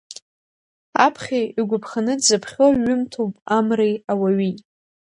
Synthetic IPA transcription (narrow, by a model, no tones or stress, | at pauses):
apʰχʲaiɡʷʊpʰχanɨdzɨpʰχʲoɥʊmtʰowpʼamrejawaɥi